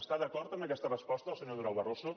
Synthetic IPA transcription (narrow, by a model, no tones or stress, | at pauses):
st̪aðəkɔɾt̪əmbəkɛst̪ərəspɔst̪əəlˠsəɲoðuɾawβəroso